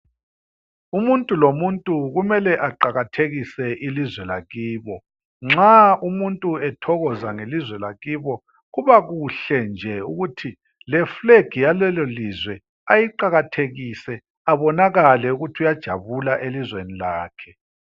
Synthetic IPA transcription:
umuntʼulomuntʼuɣumɛlɛʔaǃaɣatʰeɣisɛʔilizwɛlaɣiːβɔ | ŋ͡ǁaumuntʼuɛtʰɔɣɔzaŋelizwɛlaɣiːβɔ | ɣuβaɣuɬɛnd͡ʒʱɛuɣutʰi | lɛfleɡ̥ʱijalɛlɔlizwɛ | ajiǃaɣatʰeɣisɛ | aβɔnaɣalɛuɣutʰiujad̥ʒ̥ʱa̰βulaʔelizwenilaːkʰɛ̥

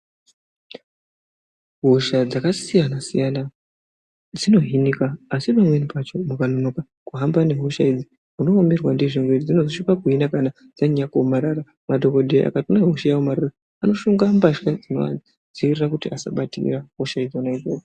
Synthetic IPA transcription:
ɦoʃad͡zakasijanasijana | d͡zino̞ɦinikaːsipamwe̞nipat͡ʃo̞mukanonoka | kuɦambane̞ɦoʃaid͡zi | munoːmirwandiʐiŋɡweid͡zino̞zoʃipakuɦinakana | d͡z̥aɲakumaɾaɾa | madʱokoɗeiʔa̰katunaɦoʃajaomaɾara | ano̞ʃuŋɡambaʃkad͡zino̰a̰ | d͡ziirirakutiasa̰ɓatḭraɦoʃaid͡zonaid͡zoːko

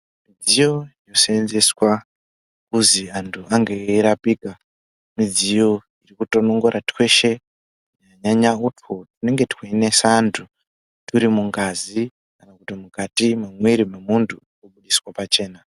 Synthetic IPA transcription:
mid͡zijo̞ijo̞seenzeswa | kuziantʰuʔaŋɡeiɾapiːka | mid͡zijo̞ | irikuto̞noŋɡoɾatwe̞ʃe̞ | uɲaɲaɲautʰo̞tune̞ŋɡe̞tweene̞saːntʰu | tuɾimuŋɡazi | kanakutimukatimamweɾimemuntʰu | kuɓuɗiswapat͡ʃe̞ːna

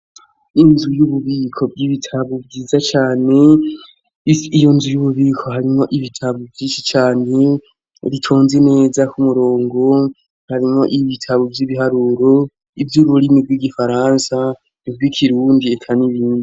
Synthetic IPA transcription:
inzujuβuβiːkʰo̞b̚ɡiβitʰaβubɡiːzat͡ʃaːne̞ | ijo̞nzujuβuβiːkʰo̞ɦaɾimŋo̞ʔiβitʰaβovjiːnʃit͡ʃaːne̞ | ɾitʰoːnzene̞ːzakʰumuɾo̞ːŋɡo̞ | haɾimŋo̞ʔiβitʰaβovjiβiɦaɾuːɾo̞ | ivjuːβuɾimibɡwiːɡifaɾaːnsa | nib̚ɡwikʰiɾuːndiekʰaniβiːndi

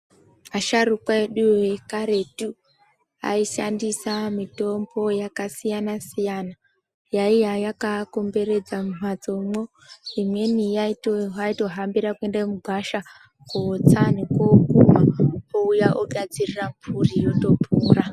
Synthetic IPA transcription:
aʃaɾukwaeɗuwekaɾe̞tu | a̰iʃandisamito̞mbo̞jakasijanasijana | jaijajakako̞mbe̞ɾe̞d͡zamunwad͡zo̞mo | imwe̞nijaitoɦaito̞ɦambiɾakue̞ndamuɡʱwaʃa | koːt͡sanikokumaoujaʔoɡʱad͡zirirampʰurijoto̞puːra

